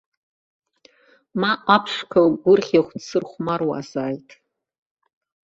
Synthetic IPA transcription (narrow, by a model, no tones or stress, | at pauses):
maʔapʰʂkʰalɡʷʊrχʲeχʷdsɨrχʷmarwa̰zaːjtʼ